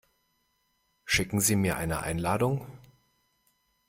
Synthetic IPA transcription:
ʃɪkŋ̩ziːmiːɐʔa̰ɪnə̰ʔa̰ɪnlaːdʊŋ

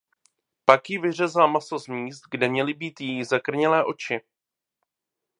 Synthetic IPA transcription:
pakjɪvɪr̝ɛzamasozmiːst̪̚ɡdɛmɲɛlɪbiːt̪jijizakr̩ɲɛlɛːʔo̞t͡ʃɪ

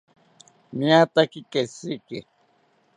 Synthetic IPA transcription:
mĩat̪akikesiki

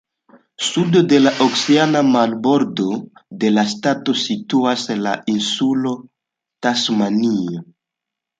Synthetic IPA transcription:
sudo̞de̞laʔokseanamalbo̞ɾdo̞de̞lastato̞situaslaʔinsulo̞ | tasmanio

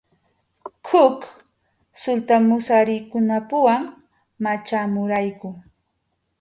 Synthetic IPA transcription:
hʊk | sʊlt̪amʊsaɾɪkʊnapʊwaŋ | mat͡ʃamʊɾajkʊ

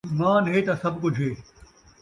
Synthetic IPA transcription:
mãːnɦeːt̪ɐsɐbkʊd͡ʑʱɦeː

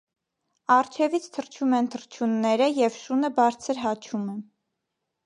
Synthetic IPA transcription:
ɑrt͡ʃʰɛvit͡sʰt̪ʰəɾt͡ʃʰumɛnt̪ʰəɾt͡ʃʰunːɛɾəjɛvʃunəbɑɾt͡sʰəɾɦɑt͡ʃʰumɛ

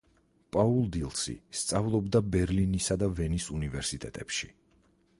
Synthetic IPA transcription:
pʼaulˠd̪ilˠsḭst̪sʼavlˠɔbd̪abɛɾlinisad̪avɛnisunivɛɾsit̪ʼɛt̪ʼɛpʃi

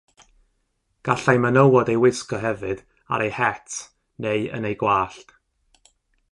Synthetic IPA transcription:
ɡ̥aɬajmənəwɔdejwɪskɔɦɛvɨd̥ | a̰ɾejhɛtʰ | neɨə̰nejɡwaːɬt

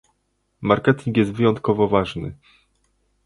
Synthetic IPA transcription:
maɾkɛt̪ʲiŋkjɛst̪vɘjɔnt̪̚kɔvɔvaʐnɘ̰

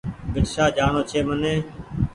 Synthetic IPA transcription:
bɪʈʃaːd͡ʒaːɳoːt͡ʃʰeːmənẽː

